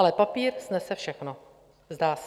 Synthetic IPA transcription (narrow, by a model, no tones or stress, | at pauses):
lɛpapiːɾsnɛsɛfʃɛxno | zdaːs